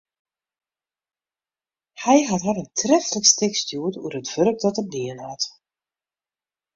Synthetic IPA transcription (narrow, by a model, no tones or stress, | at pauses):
hɛjɦatɦaɾəntʰrɛftləkstɪkstjuːətṵəɾətvɵɾkdɔtəliənhat